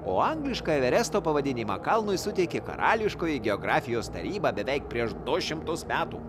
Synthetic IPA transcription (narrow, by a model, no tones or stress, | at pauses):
o̰ːɐŋɡlʲɪʃkɑɛʋʲɛɾʲæst̪oːpɐʋɐd̪ʲɪnʲimɑ̰ːkɐlˠnʊjsʊt̪ʲɛkʲekɐ̰ɾɑːlʲɪʃkoːjɪɡʲɛɔːɡɾɑːfʲɪjoːst̪ɐ̰ɾʲiːbɑːbʲɛʋʲɛɪk̚pʲɾʲiɛʃd̪ʊʃʲɪmt̪ʊsmʲæːt̪ṵː